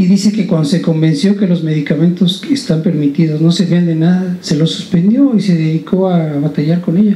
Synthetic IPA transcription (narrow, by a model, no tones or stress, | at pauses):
iðise̞ke̞kwand̪ose̞ko̞mbe̞nsjo̞ke̞lo̞zme̞ðikamẽ̞nt̪o̞sest̪ampe̞ɾmit̪iðo̞zno̞seβiand̪e̞naðase̞lo̞sːu̥spe̞nd̪jo̞ise̞ðe̞ðikʰo̞aβat̪aʝaɾko̞ne̞ʝa